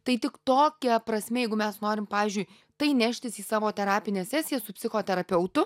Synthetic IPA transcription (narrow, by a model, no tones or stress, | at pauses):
t̪ɐɪt̪ʲɪkt̪oːkʲɛpɾɐsʲmʲɛːjɛɪɡʊmʲɛsnoːɾʲɪmpɑːʋʲiːzʲd͡ʒʲʊj | t̪ɐɪnʲæʃʲt̪ʲɪsiːsɑːʋoːt̪ʲɛɾɑːpʲɪnʲeːsʲæːsʲɪjɛsʊpʲsʲɪxoːt̪ʲɛɾɐpʲɛʊt̪ʊ